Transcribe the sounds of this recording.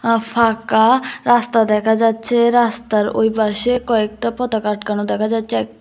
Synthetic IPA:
pʰakaɾast̪ad̪ɛkʰad͡ʑat͡ʃʰeɾast̪aɾo̰jbaʃekɔek̚ʈapɔt̪akaɾʈkañud̪ɛkʰad͡ʑatːt͡ʃʰeɛk̚

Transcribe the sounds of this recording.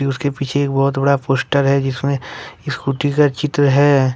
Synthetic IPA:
iʊskepiːt͡ʃʰeːk̚bɔːʊt̪bɐɽapoːsʈəɾɦɛd͡ʒɪsmẽɪskuːʈikat͡ʃɪt̪ɾəɦɛː

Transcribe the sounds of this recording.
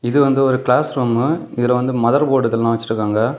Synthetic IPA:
ɪðɯʋɐnd̪ɯɔɾɯkɭaːsɾuːmɯɪðɪlɐʋɐnd̪ɯmɐðɐɾpoːʈɐt̪ːɪllãːʋɐt͡ʃːɪʈɾɯkːaːŋɡɐ

